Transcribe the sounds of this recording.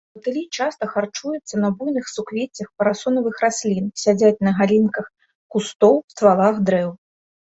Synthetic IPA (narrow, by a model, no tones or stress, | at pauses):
bɐt̪ɨlʲit͡ʂast̪ɐxart͡ʂujut̪sːɐnɐbujnɨxsukvʲet͡sʲɐxpɐɾasɔnɐvɨxrasʲlʲinsʲad͡zʲat͡sʲnɐɣalʲinkɐx | kust̪ɔwst̪valˠaxd̪ɾɛw